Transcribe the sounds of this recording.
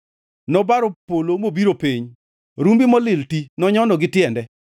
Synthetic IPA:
nɔbaɾopolomobiɾopeɲ | ɾumbɪmɔlɪltinɔɲɔnɔɡɪtɪɛndɛ

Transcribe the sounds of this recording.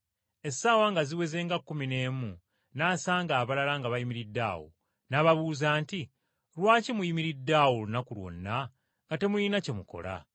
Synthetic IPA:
e̞saːwaŋɡaziwe̞ze̞ːŋɡakːumine̞ːmu | naːsaːŋɡaːβalalaŋɡaβajimiɾidːa̰ːwo̰ | naβaβuːzaːnti | ɾwaːcimujimiɾidːawolunakulwo̰nːa | ŋɡate̞muinace̞muko̞̰la̰

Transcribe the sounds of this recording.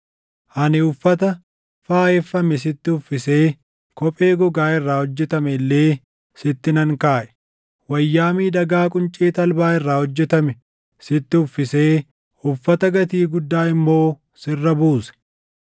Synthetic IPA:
ʔɐnɪʊfːɐt̪ɐ | faːɛfːɐmɛs̬ɪt̪ːɪʊfːɪseː | kɔpʼe̞ːɡɔɡaːɪrːaːhɔd͡ʒːɛt̪ɐmɛlːeː | sɪt̪ːɪnɐŋkaːʔɛ̥ | wɐjːaːmiːd̪ɐɡaːkʼʊnt͡ʃʼeːt̪ɐlbaːɪrːaːhɔd͡ʒːɛt̪ɐmɛ | sɪt̪ːɪʊfːɪseː | ʊfːɐt̪ɐɡɐt̪iːɡʊd̪ːaːɪmːo̞ː | sɪrːɐbuːsɛ̥

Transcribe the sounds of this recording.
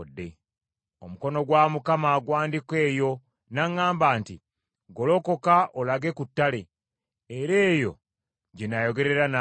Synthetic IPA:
dːe̞ | o̞muko̞no̞ɡwamukamaɡwaːndikwe̞ːjo̞ | naŋːaːmbaːnti | ɡo̞lo̞ko̞kaʔolaɡe̞kutːale | eɾe̞ːjo̞̰ | ɟenajo̞ɡe̞ɾe̞ɾana

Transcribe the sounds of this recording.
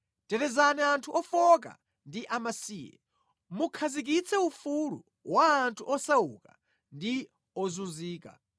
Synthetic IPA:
tɛɾɛzanɛantʰuʔɔfɔk̬a̰ | ndiʔamasiːjɛ̰ | mukʰazik̬it͡sʰɛufulṵ | waːntʰuʔɔsaṵka | ndi | ɔzuziːka̰

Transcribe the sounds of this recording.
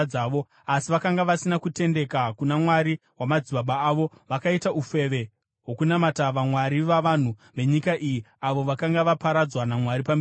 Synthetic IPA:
aːʋo̞ | asiʋakaŋɡaʋasinakute̞nde̞kakunamwaɾiwamad͡ziɓaɓaːʋo̞ | ʋakaitaufe̞ʋe̞ | ɦwo̞kunamataʋamwaɾiʋaʋan̤uʋe̞ɲikaʔijiaʋo̞ʋakaŋɡaʋapaɾad͡zwanamwaɾipambe

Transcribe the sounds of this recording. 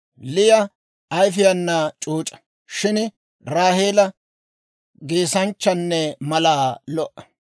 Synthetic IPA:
lɪjɐ | ɐjfɪjɐnːat͡ʃʼuːt͡ʃʼɐ̥ | ʃɪn | ɾaːhe̞ːlɐ | ɡeːsɐnt͡ʃːɐnːɛmɐlaːlɔʔɐ̥

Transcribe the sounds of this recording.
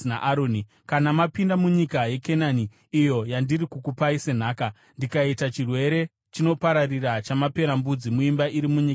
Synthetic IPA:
na̰ʔaɾoːni | kanamapindamuɲikaje̞ke̞naniː | jo̞jandirikukupaise̞n̤aːka | ndikaitat͡ʃirwe̞ɾe̞ | t͡ʃino̞paɾarirat͡ʃamape̞ɾambud͡zimuimbaʔiɾimuɲika

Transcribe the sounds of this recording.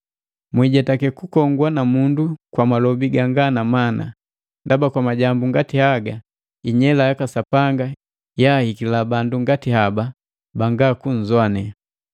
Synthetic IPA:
mwiɟɛtakɛkukɔŋɡwanamundukwamalɔbiɡaŋɡanamana̰ | ndabakwamaɟambuŋɡatihaɡa | iɲɛlajakasapaŋɡa | jaːhikilabanduŋɡatihaba | baŋɡaːkuɲ̩zwanɛ

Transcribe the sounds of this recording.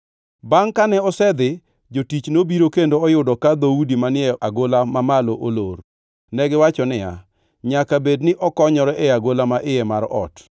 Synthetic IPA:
baŋkanɛɔsɛd̪ɪ | d͡ʒotit͡ʃnobiɾokendoɔjʊdɔkad̪audimanɪɛʔaɡolamamaloʔolor | nɛɡɪwat͡ʃɔnɪja̰ | ɲakabednɪʔɔkɔɲɔɾɛʔɛaɡolamaʔɪjɛmaɾɔ̰t

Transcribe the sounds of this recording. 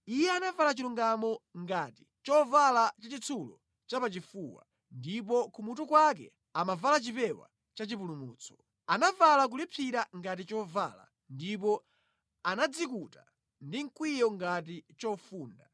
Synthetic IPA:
ijɛanavalat͡ʃiluŋɡamɔŋɡati̥ | t͡ʃɔvalat͡ʃat͡ʃit͡sʰulɔ̰ | t͡ʃapat͡ʃifuːwa̰ | ndip̬ɔkumutukwak̬ɛ̰ | amavalat͡ʃipɛwa̰ | t͡ʃat͡ʃip̬ulumuːt͡sʰɔ̥ | anavalak̬ulipʰiɾaŋɡat̬it͡ʃɔva̰ːla̰ | ndipɔ | anad͡zikuta | ndiŋ̩kwijɔŋɡat̬it͡ʃɔfuːnda

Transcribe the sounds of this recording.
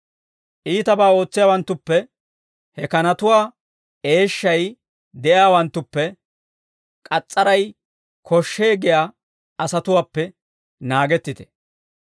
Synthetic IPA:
ʔiːt̪ɐbaːo̞ːt͡sːɪjaːwɐnt̪ːʊpːɛ | hɛkɐnɐt̪ʊwaː | e̞ːʃːɐj | d̪ɛʔjaːwɐnt̪ːʊpːɛ | kʼɐt͡sʼːɐɾɐj | kʰɔʃːe̞ːɡɪjaː | ɐsɐt̪ʊwaːpːɛ | naːɡɛt̪ːɪt̪ɛ̥

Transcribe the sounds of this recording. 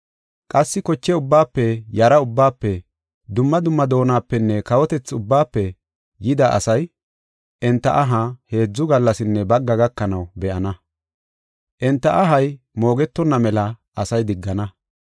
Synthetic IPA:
kʼɐsːɪkɔt͡ʃːɛʊbːaːpːɛjɐɾɐʊbːaːpːɛ | d̪ʊmːɐd̪ʊmːɐd̪o̞ːnaːpːɛnːɛkɐwɔt̪ɛt͡sːʊbːaːpːɛ | jɪd̪ɐʔɐ̰sɐj | ʔɛnt̪ːɐ̰ʔɐɦɐhe̞ːd͡zːʊɡɐlːɐsɪnːɛbɐɡːɐɡɐkːɐnɐwbɛʔɐnɐ | ʔɛnt̪ːɐʔɐɦɐj | mo̞ːɡɛt̪ːɔnːɐmɛlɐʔɐsɐjd̪ɪɡːɐnɐ

